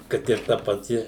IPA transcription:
ˈkɐt ɪr ˈtɐ pɐˈtʲɪ

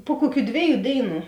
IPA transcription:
pʊ ˈkʊˌkʲuː ˈdʲʋʲeːˌjuː ˈdʲeːɪˌnuː

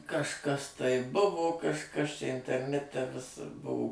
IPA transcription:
kɐʃˈkɐs ˈtɐɪ ˈbʊʋoː kɐʃˈkɐs t͡ʃʲɛ ɪnʲtʲɛrʲˈnʲæːtʲɛ ʋʲɪs ˈbuɔ

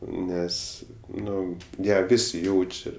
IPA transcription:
ˈnʲɛs ˈnʊ ˈjæː ˈʋʲɪsʲɪ ˈjɛʊt͡ʃʲɛ

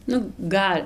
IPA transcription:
ˈnʊ ˈɡɐlʲ

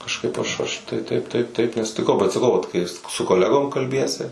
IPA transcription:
kɐʃˈkɐɪp ɐʃ ˈɐʃ tɐɪ ˈtɐɪp ˈtɐɪp ˈtɐɪp nʲɛsʊtʲɪˈkɐʊ bʲɛt sɐˈkɐʊ ˈʋɐt kɐɪ ˈjɪs sʊ koːˈlʲæːɡoːm kɐlʲˈbʲiɛsʲɪ

